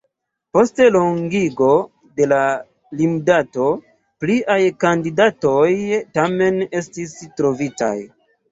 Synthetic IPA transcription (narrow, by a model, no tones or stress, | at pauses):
po̞ste̞loŋɡiɡo̞ | de̞la | limdato̞ | pliʔajkandidato̞jtame̞ne̞stistɾo̞vita̰j